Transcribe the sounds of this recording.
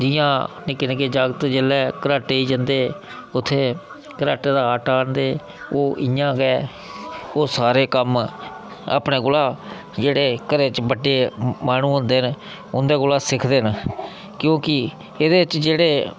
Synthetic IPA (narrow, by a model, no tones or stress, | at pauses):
d͡ʒɪːãːnɪkɪnkeːd͡ʒaːɡət̪d͡ʒelɛːkəɾaːʈeːiːd͡ʒənd̪eː | ʊt̪ʰːeː | kəɾaːʈeːd̪aːaːʈaːnd̪eː | oːʔɪjãːɡɛː | oːsaːɾeːkəm | a̰ːpɳeːɡʊlaː | d͡ʒeːɽeːkəɾeːt͡ʃbəɖeːmaːnũːɦõnd̪eːn | ʊnd̪eːɡʊlaːsɪkʰd̪eːn | kjõːkɪ | ɪd̪eːɪt͡ʃd͡ʒeːɽeː